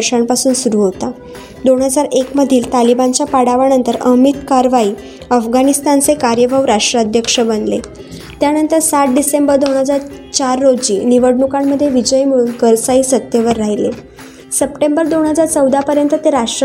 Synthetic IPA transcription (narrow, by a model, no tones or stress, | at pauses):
ɾʂampasuːnsuɾuːɦot̪a | d̪oɳɦəd͡zaɾekməd̪ʱiːlt̪alibant͡ɕjapaɽaʋanənt̪əɾə̰ɦmit̪kaɾʋaiː | əfɡanist̪ant͡sekaɾjəbʱaʋɾaʂʈɾəəd̪ʱjəkʂəbənd̪lḛ | t̪janənt̪əɾsat̪̚ɖisembəɾd̪oɳ̃ɦəd͡zaɾt͡ɕaɾːod͡ʑiːniʋəɽɳukamːəd̪ʱːjeʋid͡ʑəjmuɭunkəɾsaisət̪jəʋəɾːaɦile | səpʈembəɾd̪oɳɦəd͡zaɾt͡səwd̪ʱapəɾjənt̪ət̪eɾaʂʈɾə